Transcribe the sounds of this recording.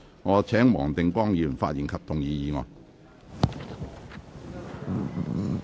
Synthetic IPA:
ŋɔː˨˧t͡sʰɛː˨˥ŋmɔ̰ː˨˩ŋt̪ɪ˨ŋkʷɔː˥ŋjiː˨˧˩y˨˩nfa̰ː˧t̚ji˨˩nkʰɐ˨p̚t̪ʊ˨ŋjiː˨˧jiː˨˧ŋɔ̰ː˨˩j

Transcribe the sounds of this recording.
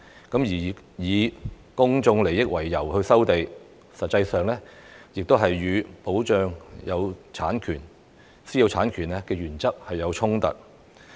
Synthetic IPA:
kɐ˨˥mjiː˨˩ | jiː˨˧ | kʊ˥ŋt͡sʊ˧ŋle˨˩jɪ˥k̚wɐ˨˩jːɐ˨˩whɵ˧ɥsɐ˥wt̪e˨j | sɐ˨t̚t͡sɐ˧jsœː˨ŋlɛː˥jɪ˨k̚t̪o˥wɦɐ˨jːyː˨˧po˨˥wt͡ʃœː˨ŋjɐ˨˧wt͡sʰaː˨˥nkʰyː˨˩n | siː˥jɐ˧wt͡sʰaː˨˥nkʰyː˨˩nɛː˧˥kɛː˧ɥyː˨˩nt͡sɐ˥k̚hɐ˨jːɐ˨˧wt͡ʃʰʊ˥ŋt̪ɐ̰˨t̚

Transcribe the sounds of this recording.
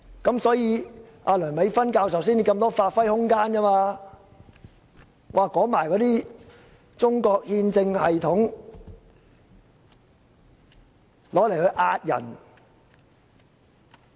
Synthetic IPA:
kɐ˨˥msɔː˨˥jiː˨˧ʔa̰ː˧lœː˨˩nme˨˧˥jfɐ˥nkaː˧ws̬ɐ˨ws̬iː˥˩n˧kɐ˧mt̪ɔː˥faː˧t̚fɐ˥jhʊ˥ŋkaː˥nkɐ˥maː˧ | wʔaː˨˩kɔː˨˥maː˨˩jkɔː˨˥t̪iː˥ | t͡sʊ˥ŋkɔː˧k̚hiː˧nt͡sɪ˧ŋhɐ˨jt̪ʰʊ˨˥ŋ | lɔː˨˥le˨˩jhɵ˧ɥʔaː˧t̚jɐ̰˨˩n

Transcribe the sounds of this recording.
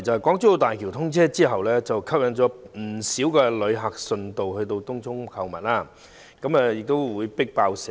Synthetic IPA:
jt͡sɐ˨˧hjkɔː˨˥ŋt͡st̪o˧wt̪aː˨jkʰi˨˩wt̪ʰʊ˥ŋt͡sʰɛː˥t͡siː˥ɦɐ˨wlɛː˥t͡sɐ˨wkʰɐ˥p̚jɐ˨˧˥nt͡ʃɔː˨˥m̩˨˩siː˨˥wkɛː˧lɵ˨˧ɥɦa˨k̚sɵ˧nt̪o˨whɵ˧jt̪̬o˧wt̪ʊ˥ŋtʰʊ˥ŋkʰɐ˨˧wmɐ̰˨t̚laː˥˩ | kɐ˨˥mɛː˨jɪ˨k̚t̪o˥wwuː˨˧jpɪ˥k̚paː˧wsɛ˨

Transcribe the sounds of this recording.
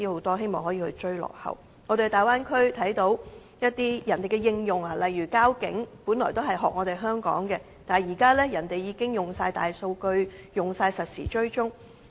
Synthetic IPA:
iː˥ho˨˥wt̪ɔː˥hɦe˥jmɔː˨ŋhɔː˨˥jiː˧hɵ˧t͡ʃɵ˥ɥlɔ̰ː˨˩khɐ̰˨˩w | ŋɔː˨˧ɾe˨ɡt̪aː˨˩jwaː˥nkʰɵ˥ɥt̪ʰɐ˨˥jt̪o˨˥w | jɐ˥t̚t̪iː˥jɐ˨˩nt̪e˨˩jkɛː˧jɪ˧ŋjʊ˨ŋa˨˩lɐ˨jːyː˨˩kaː˥wkɪ̰˨˥ŋpuː˨˥nlɔː˨˩jt̪o˥wɦɐ˨jɦɔː˨k̚ŋɔː˨˧t̪e˨˩jɦœː˥ŋkɔ̰ː˨˥ŋkɛː˧ | t̪aː˨jiː˨˩kaː˥lɛː˥jɐ˨˩nt̪e˨jːiː˨˧kɪ˥ŋjʊ˨˩ŋsaː˧jt̪a̰ː˨jso˧wkɵ˧ɥjʊ˨ŋsaː˧jsɐ˨t̚sḭː˨˩t͡ʃɵ˥ɥt͡ʃʊ˥ŋ

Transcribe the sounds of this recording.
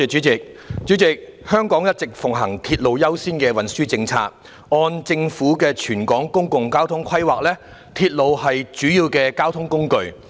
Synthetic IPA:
ɛ˨˧t͡ʃyː˨˥t͡sɪ˨k̚ | t͡ʃyː˨˥t͡sɪ˨k̚hœː˥ŋkɔː˨˥ŋjɐ˥t̚t͡sɪ˨k̚fʊ˨˩ŋɦɐ˨˩ŋt̪ʰiː˧t̚lo˨wjɐ˥wsiː˥nkɛː˧wɐ˨nsyː˥t͡sɪ˧ŋt͡sʰa̰ː˧t̚ | ɔː˧nt͡sɪ˧ŋfuː˨˥kɛː˧t͡ʃʰyː˨˩nkɔː˨˥ŋkʊ˥ŋkʊ˨ŋkaː˥wt̪ʰʊ˥ŋkʰɐ˥jwaː˨k̚lɛː˥ | t̪ʰiː˧t̚lo˨whɐ˨jt͡ʃyː˨˥jiː˧wkɛː˧kaː˥wt̪ʰʊ˥ŋkʊ˥ŋkɵ˧ɥ

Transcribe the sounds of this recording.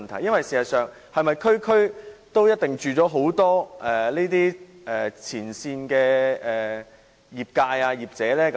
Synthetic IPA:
nt̪ʰɐ̰˨˩jɐ˥nwɐ˨jsiː˨˩sɐ˨t̚sœː˨ŋ | hɐ˨˧jmɐ˨jkʰɵ˥ɥkʰɵ˥ɥt̪o˥wjɐ˥t̚t̪ɪ˨ŋt͡ʃyː˨t͡sɔː˨˥ɦo˨˥wt̪ɔː˥ʔɛː˨neː˥t̪̬iː˥ | ʔɛ˨t͡sʰiː˨˩nsiː˧nkɛː˧ɛː˨˩ | jiː˨p̚kaː˧jaː˧jiː˨p̚t͡sɛː˨˥lɛː˥k

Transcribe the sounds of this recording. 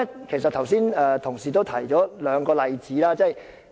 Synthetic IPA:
kʰe˨˩js̬ɐ˨t̚t̪ʰɐ˨˩wsiː˥nɛː˨˧t̪ʰʊ˨˩ŋsiː˨t̪̬o˥wt̪ʰɐ˨˩jt͡ʃɔː˨˥lœː˨˧ŋkɔː˧lɐ˧jt͡siː˨˥laː˥t͡sɐ˥˩j

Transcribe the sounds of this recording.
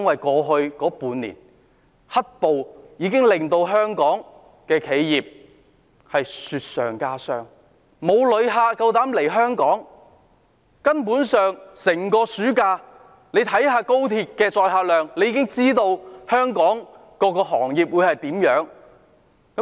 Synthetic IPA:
nwɐ˨jkɔː˧ɦɵ˧ɥkɔː˨˥puː˨˧nːḭː˨˩n | hɐ˥t̚po˨wjiː˨˧kɪ˥ŋlɪ˨ŋt̪o˧wɦœː˥ŋkɔː˨˥ŋ | kɛː˧kʰe˨˥jjiː˨p̚ | hɐ˨jsyː˧t̚sœ̰ː˨ŋkaː˥sœː˥ŋ | mo˨˧wlɵ˨˧ɥɦaː˧kɐ˧wt̪aː˨˥mle˨˩jɦœː˥ŋkɔː˨˥ŋ | kɐ˥npuː˨˥nsœː˨˩ŋsɪ˨˩ŋkɔː˧syː˨˥kaː˧ | ne˨˧jt̪ʰɐ˨˥jɦaː˧ko˥wt̪ʰiː˧t̚kɛː˧t͡ʃɔː˧jɦaː˧lœː˨ŋle˨˧jiː˧kɪ˥ŋt͡siː˥t̪o˧whœː˥ŋkɔː˨˥ŋ | kɔː˧kɔː˧ɦɔ̰ː˨˩ŋjiː˨p̚wuː˨˧jhɐ˨jt̪iː˨˥mjœː˨˥ŋ | kɐ˨˦

